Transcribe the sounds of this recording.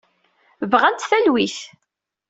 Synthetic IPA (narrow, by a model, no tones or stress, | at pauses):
vʁænt̪θælwiθ